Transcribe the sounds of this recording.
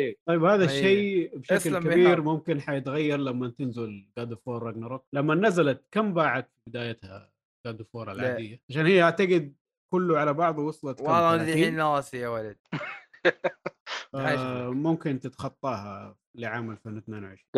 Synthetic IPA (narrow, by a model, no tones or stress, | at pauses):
t̪ˤɑjːɪbhaːðaʃːeːbʃaklkabiːɾmʊmkɪnħajɪt̪ɣajːɑɾˤlamːat̪ɪnzʊlɡad̪ufoːɾˤːɑɡnɑɾˤok̚lamːanazalat̪̚kambaːʕad̪fibɪd̪aːjat̪ha̰ | ɡaːd̪ufoːɾˤalʕːd̪ɪjːaʕaʃaːnhijːhaʕt̪aɡɪd̪̚ | kʊlːʊʕalabɑʕðˤwɑsˤlɑt̪alɑnasɪjawalad̪̚ | famʊmkɪnt̪ɪt̪xɑt̪ˤːɑːha | liʕaːmalfeːnt̪neːnawʕɪʃɾiː